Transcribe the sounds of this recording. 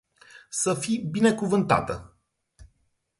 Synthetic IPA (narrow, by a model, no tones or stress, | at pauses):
səfibine̞kuvɨnt̪a̰t̪ə̰